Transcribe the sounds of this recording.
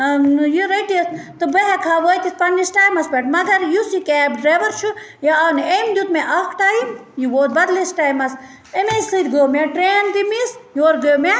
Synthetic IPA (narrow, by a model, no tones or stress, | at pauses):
jiɾɐjʈist̪ɨbɐɦɛkʰaːʋoːjt̪ispɐnisʈaːjmɐsbeʈmɐɡɐɾjusikeːbɖɾeːʋɐɾt͡ʃʰu | jaɐnemd̪ʲut̪mẽʔɐkʰʈaːimjiʋoːt̪̚bɐd̪lisʈaːjmɐs | emesɨt̪ɡojomeʈɾeːnd̪imisjoːɾɡojome